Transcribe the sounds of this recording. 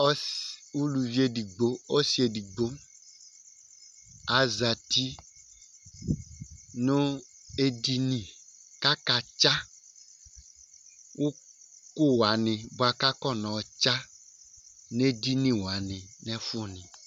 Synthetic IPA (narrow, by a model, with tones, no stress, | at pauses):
ɔ˦wu˦lu˨vi˦e˦di˨ɡ͡bo˦o˦si˨˦e˨di˨ɡ͡bo˦ | a˨za˨t̪i˦ | nũ˦ | e˦di˦nĩ˨ka˦ka˨t͡ʃa˦ | wʔo˦ | ko˦wa˨nɪ̃˨bo˨˦a˨ka˦kɔ˦nɔ̃˨t͡ʃa˦ | ne˦di˦nĩ˨wa˨nɪ̃˨nɛ̃˦fɔ˨nɪ̃˨